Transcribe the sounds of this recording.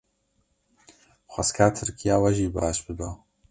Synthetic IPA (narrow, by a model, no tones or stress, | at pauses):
xʷɐskʰaːt̪ʰɨɾkʰijaːwɐʒiːbaːʃbɨd̪o